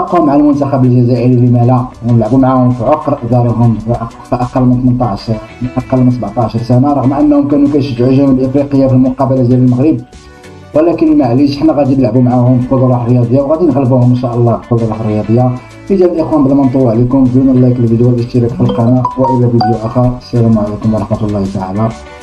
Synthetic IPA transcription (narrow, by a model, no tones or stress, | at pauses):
ɑqːhʊmʕalmʊnt̪axæbəlʒæzæʔəɾilːimælænləʕbumʕahʊmfiʕoqɾˤɑʔd̪ɑɾˤəɦʊmʔ | ʔɑqɑlːmənt̪mənt̪ˤɑʕʃ | ʔɑqɑlːmənsəbʕt̪ˤɑʕʃɑɾˤsænaɾˤɑɣmʔənːhʊmkænukæjʃət̪ʕəʒhʊməlʔəfɾiqəjːafilmʊqɑbalazjæləlməɣɾəb̚ | wəlækənəlmaʕliʃəħnæɣæd̪inlaʕbumʕahʊmbkud̪ˤɑlˤɑħɾˤjɑd̪ˤəjːawɣæd̪inɣəlbuhʊmənʃæʔəlˤːɑbkud̪ˤɑlˤɑħɾəjɑd̪ˤəjːa | fəzæləlʔəxwænbəlmɑnt̪ˤuwʕlikʊmd̪unəlːækəlfid̪uwælʔəʃt̪iɾɑkfəlqɑnæwəʔəlːæbid̪juʔæxasiɾʊmʕlikʊmwɾˤɑħmɑt̪lˤːɑht̪aʕalæ